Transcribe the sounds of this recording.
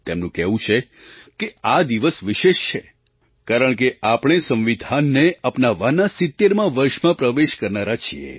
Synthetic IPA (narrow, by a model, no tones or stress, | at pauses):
t̪emnũkɛʋũt͡ʃʰekead̪iʋəsʋɪʃeʃt͡ʃʰe | kaɾəɳkeʔapɳ̃esə̃mʋid̪ʱanːeapnaʋanasɪt̪ːeɾmãʋəɾʃmãpɾəʋeʃkəɾnaɾat͡ʃʰḭḛ